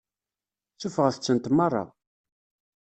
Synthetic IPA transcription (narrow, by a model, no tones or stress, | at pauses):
θufʁəθət͡sːənt̪mɑrˤːɑ̰ð